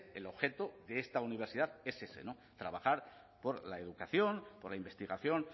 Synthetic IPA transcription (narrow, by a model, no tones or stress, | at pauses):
e̞̰lo̞βxet̪oðeest̪auniβ̞eɾsiðaðe̞sesḛno̞ | t̪ɾaβaxaɾ | po̞ɾlaeð̞ukaθjo̞npoɾlaimbe̞st̪iɣ̞aθjo̞n